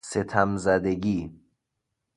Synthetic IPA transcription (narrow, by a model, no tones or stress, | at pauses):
set̪ʰæmzæd̪eɡiː